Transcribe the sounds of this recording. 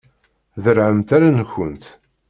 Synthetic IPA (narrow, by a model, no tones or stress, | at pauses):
ðəɾʕəmt̪aɾançənt̪